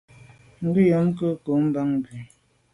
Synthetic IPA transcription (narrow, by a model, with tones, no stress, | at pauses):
ŋ̩˨bi˦jɔ˨˦ŋ˦kə˦ko˨˦m̩˦ba˦ŋbi˨